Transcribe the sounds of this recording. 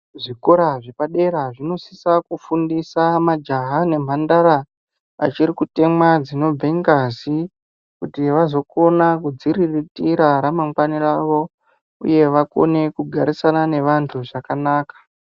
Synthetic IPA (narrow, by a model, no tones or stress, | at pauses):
ʐiko̞ɾaʐe̞paɗe̞ɾaʐino̞sisakufundisamad͡ʒaɦane̞m̤andaɾa | a̰t͡ʃiɾikute̞mwad͡zino̞b͡vʱeŋɡazi | kutiʋazo̞ko̞nakud͡ziɾiritiɾaɾamaŋɡwaniraʋo̞ | ṵje̞ʋako̞̰ne̞kuɡʱaɾisanane̞ʋantʰuʐakanaːkḁ